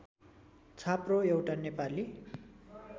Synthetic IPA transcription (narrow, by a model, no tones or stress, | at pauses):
t͡sʰaproewʈanepali